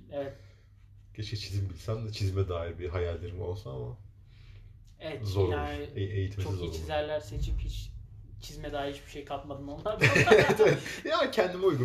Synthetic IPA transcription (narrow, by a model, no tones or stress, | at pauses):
evɛt̪ | ɟ̥et͡ʃʰɛt͡ʃʰizimbilʲsænd̪ɛt͡ʃʰizmɛd̪aːiɾbiɦajalʲːeɾimo̞̰lˠsunama | ɛɛtzoɾauʃɪeejit̪ʰimt͡ʃsizot͡ʃizæɾlʲæɾse̞t͡ʃʰiphit͡ʃt͡ʃʰizmɛd̪aːiit͡ʃbiʃejkʰat̪mad̪ɯnolˠaɾvɛt̪evɛt̪jaacʰænd̪imiujɡu